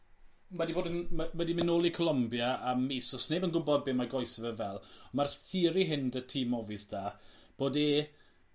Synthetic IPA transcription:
madiboːdənamɛdimɪnoːlˠikʰɔlˠɔmbjaamːiːsɔsneːbənɡʊbɔd̚beːmaɡɔɨsəvəvɛlˠɔmarθiːɾiɦɪndətʰiːmɔvɨsd̥aːb̥oːdeː

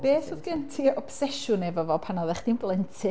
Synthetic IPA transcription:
b̥eːθʊðɡəntʰiɔb̥sɛʃʊnɛvɔvɔpʰanɔðɛχd̥inblˠəntʰɨ

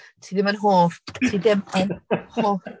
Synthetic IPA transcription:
tʰiːðɪmənɦoːftʰiːðɪmɛnhoː

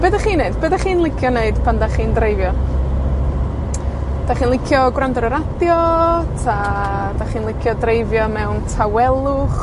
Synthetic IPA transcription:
bədaχiːneɨdbədaχiːnlˠɪkʰjɔneɨdpʰandaχiːndreɨvjɔ | d̥aχiːnlˠɪkʰjɔɡwɾandɔɾəɾadjɔtʰa | daχiːnlˠɪkʰjɔdreɨvjɔmɛwntʰawɛlˠʊχ

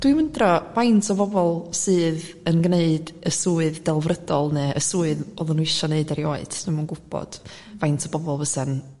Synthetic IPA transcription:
d̥wiməndrɔvajntʰɔvɔvɔlˠsɨːð | ənɡneɨdəsuːɨðdɛlˠvrədɔlˠnɛʔəsuːɨðoðʊnːuɪʃɔneɨdaɾiɔːɨd̥ʰamanɡʊb̥ɔ̰d̥ | vajntʰɔbɔvɔlˠvəsɛn

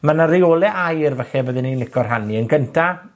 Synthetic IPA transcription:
manarioːlˠɛʔajrvəχɛbəðɪnːinlɪkʰɔrɦaniənɡəntʰa

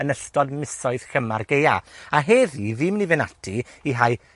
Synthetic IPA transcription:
ənəɬtɔdmɪsɔɨð̥kəmarɡeja̰aɦɛðivimnivɪnatʰiiɦaj

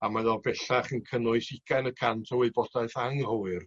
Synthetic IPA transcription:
amaðɔbɛɬaχənkʰənʊɨsɪɡ̥anəkʰantʰəweɨbɔdaɨθaŋhʊɨr

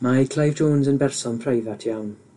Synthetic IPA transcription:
majkʰlajvdʰoːnzənbɛrsɔnpʰrajðatʰijawn

